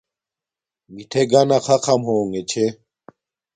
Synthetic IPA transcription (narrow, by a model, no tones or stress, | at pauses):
mit̪ʰeɡanakʰakʰamɦoːŋet͡ɕʰe